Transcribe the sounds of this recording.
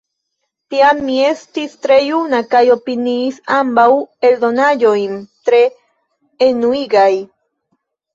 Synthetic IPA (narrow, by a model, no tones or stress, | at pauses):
t̪iamie̞st̪ist̪ɾejunakajo̞piniːsambaweld̪o̞najojnt̪ɾeː | nuiɡaj